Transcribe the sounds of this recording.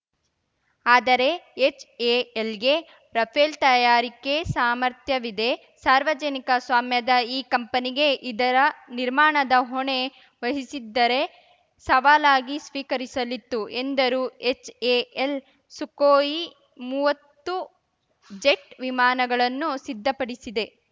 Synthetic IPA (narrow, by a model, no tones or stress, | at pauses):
aːd̪ɐɾe̞et͡ʃeelɡe̞ | ɾɐpʰeːlt̪ɐjaːɾike̞saːmɐɾt̪jɐʋid̪e̞ | saːɾʋɐd͡ʒɐnikɐsʋaːmjɐd̪ɐiːkɐmpɐniɡe̞ʔid̪ɐɾɐniɾmaːɳɐd̪ɐɦoɳe̞ | ʋɐɦisid̪ːɐɾe̞ | sɐʋaːlaːɡisʋiːkɐɾisɐlit̪ːuend̪ɐɾuːet͡ʃeːel | sukoːji | muːʋɐt̪ːu | d͡ʒe̞ʈʋimaːnɐɡɐɭɐnːusid̪ʱːɐpɐɽisid̪e̞